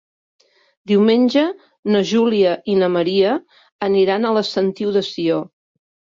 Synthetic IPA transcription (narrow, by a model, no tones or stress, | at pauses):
d̪iwmenʲʒə | nəʒuliəʔinəməɾiəː | niɾanələst̪ənt̪iwðəsio